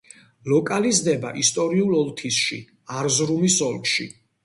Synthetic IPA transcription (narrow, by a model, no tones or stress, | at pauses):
lɔkʼalizd̪ɛba̰ʔist̪ʼɔɾiulɔlˠt̪ʰisʃḭ | aɾzɾumisɔlˠkʃḭ